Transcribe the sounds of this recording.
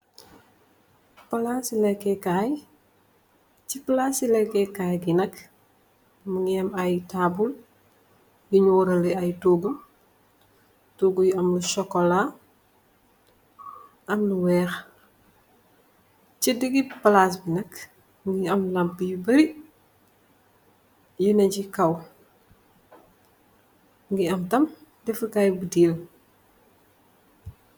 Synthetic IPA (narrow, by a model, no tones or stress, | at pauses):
pɐlasilɛkːɛkaːj | t͡ʃipalasilɛkːɛkaːjɡinɐk | muŋiɐmɐjtabul | ɡiɲuːɾɐliɐjtuːɡu | tuɡujiɐmnusɔkːɔla | ɐmnuwɛːx | t͡ʃidiɡipɐlas̬binɐk | ɡiɐmlɐmpjubɐɾi | jinɐɟikɐw | ŋɡiɐmtɐmdɛfukajbudil